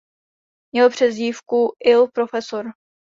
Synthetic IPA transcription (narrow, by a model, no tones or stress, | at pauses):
mɲɛlpr̝̥ɛziːfkuʔɪlpɾo̞fɛsoɾ